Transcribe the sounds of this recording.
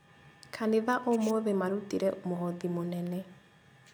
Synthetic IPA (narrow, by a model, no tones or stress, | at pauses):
kʰaneðaʔomwoðemaɾutiɾɛomoɦɔðimonɛnɛ